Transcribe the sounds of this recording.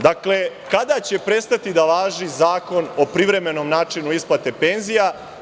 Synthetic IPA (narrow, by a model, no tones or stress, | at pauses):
d̪akle̞kad̪at͡ɕepɾe̞st̪at̪id̪aʋaːʒizaːko̞no̞pɾiʋɾe̞me̞no̞mnaːt͡ʂinuisplˠat̪e̞pe̞nzija